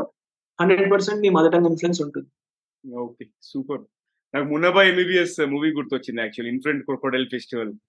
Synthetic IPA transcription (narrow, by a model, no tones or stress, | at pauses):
hɐ̃ɳɖɾeɖ̚pəɾsẽɳʈ̚miːmad͡zaʈãŋɡinflẽns̬oɳʈ̪ut̪ | oke | suːpəɾ | naɡmunabaemibiesmuʋiːɡuɾt̪ot͡ɕinːaːk̚t͡ɕuəliinfuɾeɳʈ̚koɽkoɽelfesʈiʋəl